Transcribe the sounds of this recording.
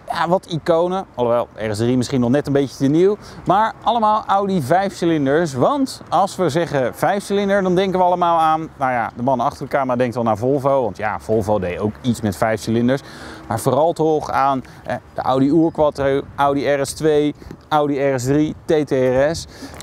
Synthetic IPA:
jaːʋɑtikownəɔlˠʋɛlˠɛ̰rɛsdrimɪsχinɔχnɛtənbejcətəniwmaːɹʔɑləmaːlˠawdivɛjfsəlɪndəɹsʋɑntɑlˠsʋəzɛχəv̥ɛjfsəlɪndəɹdɑndɛŋkəʋəɑlˠəmaːlˠaːnnawja̰dəmɑnɑχtərdəkaːməradɛŋktʋɛlˠnaːɹvʊlˠvowʋɑntja̰v̥ʊlˠvowdejowkitsmɛtfɛjfsəlɪndəɹsmaːɹvoːrɑlˠtoχaːn | ɦɛd̥ə̰ʔa̰wdiuːɹkʋatroʔawdiɛrɛstʋejʔʌwdiɛrɛs̬dritejteɛrɛs

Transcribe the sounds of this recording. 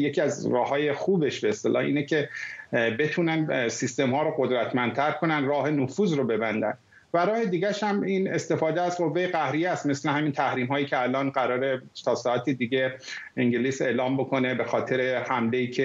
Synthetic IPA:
je̞cʰiæzɾɒːhɦɒːje̞xuːbe̞ʃbeest̪elʔɒ̰ːhḭːnecʰe̞ | be̞t̪ʰuːnænsist̪e̞mhɒːɾoɢod̪ɾæt̪ʰmænt̪ʰæɾkʰo̞nænd̪ɾɒːɦe̞nofuːzɾobe̞bænd̪æ̰n | væɾɒːhe̞d̪iːɟæʃhæmiːne̞st̪e̞fɒːd̪eæzɢo̞vːe̞jeɣæhɾijeæst̪me̞slehæmint̪ʰæhɾiːmɦɒːjiːkcʰeælɒːnɢæɾɒːɾet̪ʰɒːsɒːæt̪ʰid̪iɟeiŋɟeliːse̞ːlɒːmbo̞kʰo̞ne̞be̞xɒːt̪ʰe̞ɾe̞hæmle̞iːcʰe

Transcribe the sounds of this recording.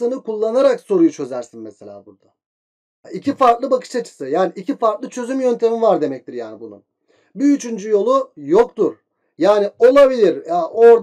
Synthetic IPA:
ɯnɯkʰulˠːanaɾakso̞ɾujut͡ʃʰø̞zæɾsinmɛse̞lʲa̰ːbuɾd̪̥a | icifaɾk̪lˠɯbakʰɯ̥ʃat͡ʃʰɯ̥sɯjaːniʔicifaɾk̪lˠɯt͡ʃʰø̞zymjønt̪ʰe̞mivaɾd̪e̞mɛc̚t̪ʰiɾjaːnibunṵn | biːt͡ʃynd͡ʒyjo̞lˠujokt̪uɾ̥ | jaːnio̞lˠabilʲiɾaʔoɾd̪

